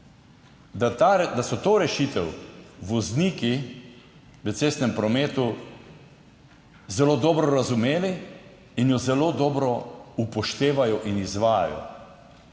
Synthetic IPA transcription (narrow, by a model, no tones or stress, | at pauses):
d̪asɔt̪oːɾɛʃiːt̪ɛwʋɔzniːki | ʋət̪seːst̪nɛmpɾɔmeːt̪u | zɛloːd̪ɔːbɾɔɾazumeːli | injɔzɛloːd̪ɔːbɾɔupɔʃt̪eːʋajɔʔinizʋaːja̰jɔ̰